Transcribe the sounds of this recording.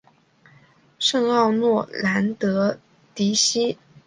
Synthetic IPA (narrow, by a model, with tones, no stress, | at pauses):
ʂɤ˥˧ŋɑ˥˧ʊnwɔ˥˩la˧˥nt̪ɤ˧˥ | t̪i˧˥ɕi˥